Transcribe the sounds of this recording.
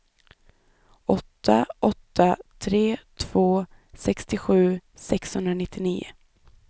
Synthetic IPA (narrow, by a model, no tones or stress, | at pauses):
ʔɔt̪ʰːaʔɔt̪ʰːat̪ʰɾeːt̪ʰv̥oː | sɛkst̪ɪɧʉ̟ːsɛkshɵnd̪ɾanɪt̪ʰːɪniːʊ̰